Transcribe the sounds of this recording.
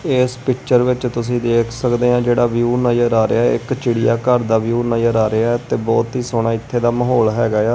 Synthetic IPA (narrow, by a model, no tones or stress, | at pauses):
eːspɪk̚t͡ʃəɾʋɪt͡ʃt̪ʊs̬ĩːd̪eːkʰsəkd̪eːãːd͡ʒeːɽaːʋjuːnəjəɾaːɾeaːɪkt͡ʃɪɽijaːkəɾd̪aːʋjuːnəjəɾaːɾɪaɛt̪eːbɔːt̪ɦiːsoːɽ̃aːɪt̪ʰːeːd̪aːməɦoːlɦɛːɡaːjaː